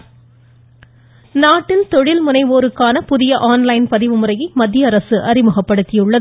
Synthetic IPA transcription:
naːʈːɪnt̪ɔɻɪlmʊnɐɪʋoːɾɯkːaːnɐpʊðɪjɐʔaːnlɐɪnpɐðɪʋɯmɯrɐjimɐd̪ːɪjɐɐɾɐsɯʔɐrɪmɯɣɐpːɐɽɯt̪ːɪjɯɭːɐðɯ

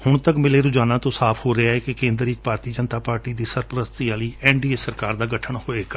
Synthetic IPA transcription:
hʊɳt̪əkmɪleːɾʊd͡ʒaːnãːt̪õːsaːpʰhoːɾɛaːɦɛːkɪkẽːnd̪ɾɪt͡ʃpaːɾt̪iːd͡ʒənt̪aːpaːɾʈiːd̪iːsəɾpəɾəst̪iaːliːɛːɳɖiːeːsəɾkaːɾd̪aːɡəʈʰəɳhoːeːkə

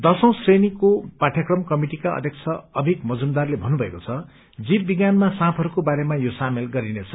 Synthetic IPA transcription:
d̪ʌsʌ̃w̃srenikopaʈʰjakrʌmkʌmiʈikaʌ̰d̪ʱjʌkt͡sʰʌʌbʱikmʌd͡zumd̪arlebʱʌnːubʱʌekot͡sʰʌ | d͡zibbiɡjanmasãpʰʌɾukobaɾemajosamelɡʌɾinet͡sʰʌ

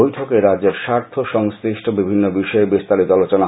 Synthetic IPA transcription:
ojʈʰokeɾadd͡ʑeɾʃaɾt̪ʰoʃɔŋsk̪ɾiʃʈʰobibʱinːobiʃɔebist̪alit̪oalot͡ɕona

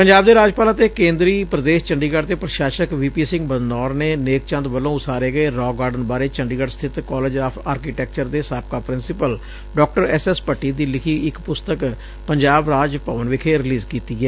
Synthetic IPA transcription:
pəɲd͡ʒaːb̚d̪eːɾaːd͡ʒpaːlãːt̪eːkẽːnd̪ɾiːpɾəd̪eːʃt͡ʃəɳɖiːɡaɖt̪eːpɾəʃaːʃəkʋiːpiːsɪ̃ŋɡbəd̪nɔːɾneːneːk̚t͡ʃə̃nd̪bəlːõːʊsaːɾeːɡəeːɾɔːɡaːɾɖənbaːɾeːt͡ʃəɳɖiːɡəɖst̪ʰɪt̪kɔːleːd͡ʒaːpʰaːɾkiːʈɛːk̚t͡ʃəɾd̪eːsaːp̚kaːpɾɪnsɪpəl | ɖɔːk̚ʈəɾɛːsɛːspəʈːiːd̪iːlɪkʰiːɪkpʊst̪ək | pəɲd͡ʒaːbɾaːd͡ʒpaːʋənʋɪkʰeːɾɪliːzkiːt̪iːɛː

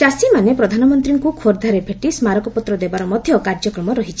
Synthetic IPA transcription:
t͡ʃasimanepɾɔd̪ʱanɔmɔnt̪ɾiŋkukʰoɾd̪ʱaɾebʰʱeʈismaɾɔkɔpɔt̪ɾɔd̪ebaɾɔmɔd̪ʱjɔkaɾd͡ʒɔkɾɔmɔɾɔɦit͡ʃʰi̥

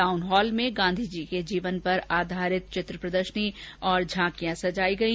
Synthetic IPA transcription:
aːʊnɦɔːlmẽɡãːnd̪ʱid͡ʒiked͡ʒiːʋənpɐɾaːd̪ʱaːɾɪt̪̚t͡ʃɪt̪ɾəpɾəd̪əɾʃəniɔːɾd͡ʒʱãːkijãsɐd͡ʒaːiɡɐĩ

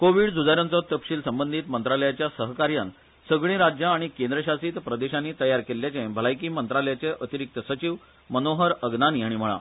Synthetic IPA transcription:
koʋiɽd͡zud͡zaɾjãnt͡sɔt̪əpɕiːlsəmbənd̪ʱiːt̪mənt̪ɾaləjat͡ɕjasəɦkaɾjan | səɡɭĩɾad͡ʑjaaɽ̃ikẽnd̪ɾəɕasiːt̪pɾəd̪eɕanːiːt̪əjaɾkeljat͡sẽbʱəlajkiːmənt̪ɾaləjat͡seʔət̪iɾik̚t̪əsət͡ɕiʋ | mənoɦəɾəɡnaniːaɽ̃im̤əɭa̰

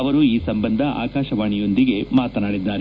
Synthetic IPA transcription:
ɐʋɐɾuiːsɐmbɐnd̪ʱɐʔa̰ːkaːʃɐʋaːɳijo̞nd̪iɡe̞maːt̪ɐnaːɽid̪ːaːɾe

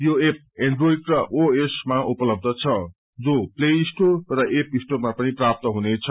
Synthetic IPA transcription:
joep̚eɳɖroiɖrʌʔoesmaʔupʌlʌb̚d̪ʱʌt͡sʰʌ | d͡zopleisʈorʌʔepisʈormapʌniprap̚t̪ʌɦunet͡sʰʌ

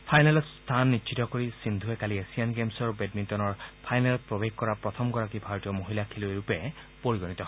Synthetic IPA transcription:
pʰajnalɔst̪ʰanːitʃʰitɔkoɹisind̪ʱuɛkaliesianɡemsɔɹbedmintɔnɔɹpʰajnalɔpɹɔbeɡkɔɹapɹɔt̪ʰɔmɡɔɹakibʱaɹɔtijɔmoɦilakʰilueɹupɛ | poɹiɡɔnit̪ɔɦɔ

